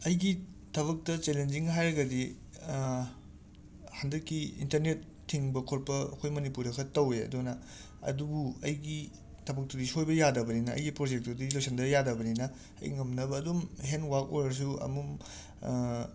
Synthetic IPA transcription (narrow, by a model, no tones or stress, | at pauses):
ɐjɡitʰɐβɐk̚tɐt͡ʃelend͡ʒiŋɦajɾɐɡɐdi | handɐkːiḭntɐɾnetʰːiŋbɐkʰoɾpɐɐ̰kʰojmɐnipuɾɐkʰɐtɐweɐ̰dunɐ | ɐ̰dubuɐjɡi | tʰɐbɐk̚tɐdisojbɐjadɐbɐninɐɐ̰jɡipɾod͡ʒek̚tudiilojsʰendɐjadɐbɐninɐ | ɐ̰jŋɐmnɐbɐːdumɦenwak̚ojɾɐɾs̬uɐ̰mum